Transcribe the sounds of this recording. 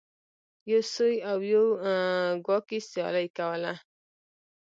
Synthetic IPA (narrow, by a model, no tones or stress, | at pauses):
josojawjoaɡɔkisjɔ̰lajkawala